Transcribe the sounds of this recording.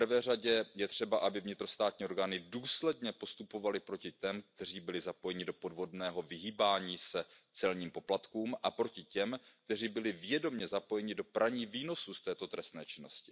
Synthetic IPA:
rvɛːraɟɛjɛt̪r̝̥ɛbaʔabɪvɲɪt̪ɾo̞st̪aːt̪ɲiːo̞ɾɡaːnɪduːslɛdɲɛpo̞st̪upo̞valɪpɾo̞cɪt̪ɛmk̚t̪ɛr̝iːbɪlɪzapo̞jɛɲɪdo̞po̞dvo̞dnɛːɦo̞vɪɦiːbaːɲiːsɛt͡sɛlɲiːmpo̞plat̪kuːmʔapɾo̞cɪcɛmk̚t̪ɛriːbɪlɪvjɛdo̞mɲɛzapo̞jɛɲɪdo̞pɾʔaɲiːviːno̞sust̪ɛːt̪o̞t̪ɾɛst̪nɛ̰ːt͡ʃɪno̞scɪ̥

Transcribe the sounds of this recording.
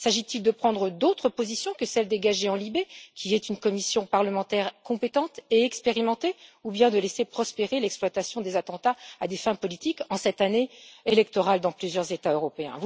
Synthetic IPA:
saʒit̪ild̪əpχɑ̃d̪ʁəd̪ot̪χəpozisjɔ̃kəsɛld̪eɡaʒeɑ̃libekʲiɛt̪ynkɔmisjɔ̃paʁləmɑ̃t̪ɛʁkɔ̃pet̪ɑ̃t̪eɛkspeʁimɑ̃t̪eubjɛ̃d̪əlesepχɔspeʁelɛksplwat̪asjɔ̃d̪ezat̪ɑ̃t̪aad̪efɛ̃pɔlit̪ikɑ̃sɛt̪aneelɛk̚t̪ɔʁald̪ɑ̃plyzjœʁzet̪aøʁɔpeɛ̰̃

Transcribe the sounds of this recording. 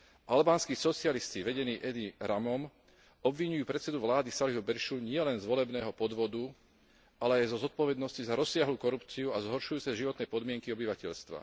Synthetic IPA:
ʔalbaːnskiːsɔt͡sɪalist͡ɕiʋɛɟɛniːʔɛd̪iɾamɔm | ɔbʋiɲujuːpɾɛt̪t͡sɛd̪uʋlaːd̪isaliɦubɛɾʃuɲɪɛlɛnzʋɔlɛbnɛːɦɔpɔd̪ʋɔd̪u | ʔalɛajzɔzɔt̪̚pɔʋɛd̪nɔscizaɾɔsːɪaɦluːkɔɾupt͡siuazɦɔɾʃujuːt͡sɛʒiʋɔt̪nɛjpɔd̪mɪɛŋkiɔbiʋacɛʎst̪ʋa̰

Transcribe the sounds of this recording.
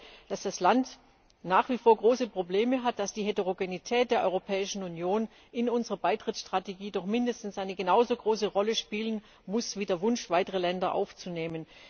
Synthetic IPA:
d̥asd̥aslant | naːχv̥iːfoːɐɡʁoːsəpʁ̥obleːməɦat̚d̥asd̥iːɦeteʁoɡenitʰɛːt̚d̥eːɐʔɔ̰ʏʁopʰɛːɪʃn̩unjoːn | ʔɪnʊnzəʁɐbaɪtʁ̥ɪtsʃtʁ̥ateɡiːdɔχmɪndəstn̩sʔaɪnəɡənaʊzoːɡʁoːsəʁɔləʃpiːlən | mʊsv̥iːdeːɐvʊnʃv̥aɪtəʁ̞əlɛndɐʔa̰ʊft͡suneːmən

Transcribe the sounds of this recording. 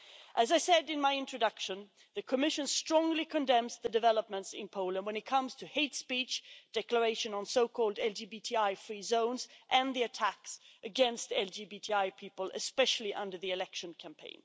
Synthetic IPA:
ʔɨzaɪsɛdɨ̃nmaɪɪ̃ntɹ̥ɨdʌkʃɨ̃n | ðɨkʰəmɪʃɨ̃nstɹ̥ɔ̃ŋlikʰɨ̃ndɛ̃mzðɨdɨvɛlˠəp̚mə̃ntsɪ̰̃npʰoʊlˠə̃nd̚wə̃nɨt̚kʰʌ̃mz̥tʰɨheɪtspit͡ʃd̥ɛklə˞eɪʃɨ̃nə̃nsoʊkʰɔlˠdɛlˠd͡ʒibitʰiaɪfɹizõʊ̃nzʔɨ̃nðiɨtʰæksʔɨɡɛ̃nstɛlˠd͡ʒibitʰiaɪpʰipəlˠɨ̰spɛʃl̩ˠiʔʌ̰̃ndə˞ðiɨlɛkʃɨ̃nkʰæ̃mpʰḛ̃ɪ̃n

